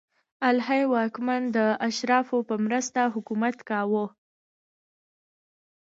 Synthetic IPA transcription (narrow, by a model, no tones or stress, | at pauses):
alɦajwɑkmand̪əaʃɾɑfopəmɾəst̪aɦʊkumat̪kɑwo